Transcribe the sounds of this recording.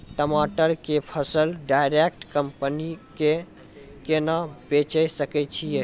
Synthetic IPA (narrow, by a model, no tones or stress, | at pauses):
ʈəmaʈəɾkepʰəsəlɖajɾek̚ʈkəmpənike | kenabet͡ʃəjsəkɛt͡ʃʰije